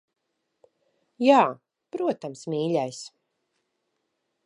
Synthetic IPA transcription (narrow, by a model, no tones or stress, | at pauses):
jaː | pɾuɔt̪amsmʲiːlʲajs